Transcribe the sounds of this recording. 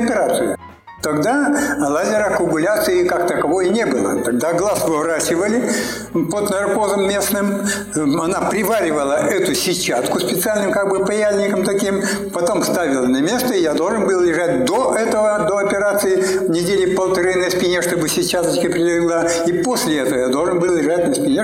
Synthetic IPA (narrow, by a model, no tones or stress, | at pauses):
ɐpʲɪɾat̪sɨjʊ | t̪ɐɡd̪aɐlˠazʲɪɾəkʊmʊlʲat̪sɨɪkak̚t̪əkɐvo̞jnʲebɨlˠə̰t̪ɐɡ̚d̪aɡlˠasvɨvɾat͡ɕɪvəlʲɪpod̪nɐrko̞zəmːʲe̞snɨm | ɐnapɾʲɪvaɾʲɪvəlˠəʔɛt̪ʊsʲɪt͡ɕːat̪kʊspʲɪt̪sɨalʲnɨmkaɡ̚bɨpɐjazʲnʲɪkəmt̪ɐkʲim | pɐt̪o̞mst̪avʲɪlˠnɐmʲe̞st̪əɪjad̪o̞lˠʐɨnbɨlˠlʲɪʐat̚ʲd̪oʔɛt̪əvəd̪o̞ɐpʲɪɾat̪sɨjɪ | vnʲɪdʲelʲɪpəlˠt̪ɐɾɨnɐsʲpʲɪnʲeʂt̪o̞bɨsʲɪt͡ɕːat̪ət͡ɕkəpɾʲɪdʲlʲɪɡlˠa | iposʲlʲɪɛt̪əvəjad̪o̞lˠʐɨnbɨlˠlʲɪʐat̚ʲnəsʲpʲɪnʲe